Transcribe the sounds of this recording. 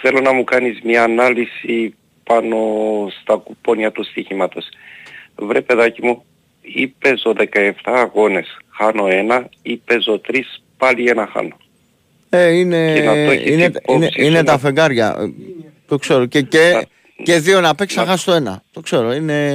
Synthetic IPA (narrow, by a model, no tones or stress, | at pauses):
θe̞lo̞nɐmukɐnizmɲɐːnɐlisi | pɐno̞st̪ɐkupo̞nɐt̪ust̪içimɐt̪o̞s | vɾepe̞ðɐcimu | ipe̞zo̞ðe̞kɐe̞ft̪ɐːɣo̞ne̞sxɐno̞e̞nɐipe̞zo̞t̪ɾispɐlie̞nɐxɐ̰no̞ | eine̞ðnɐoinet̪ineine̞t̪ɐfeŋɡɐɾʝɐ̰ | t̪o̞kse̞ɾocee | ceðio̞nɐpeksnɐxɐst̪oe̞nɐ̰t̪o̞kse̞ɾo̞ine̞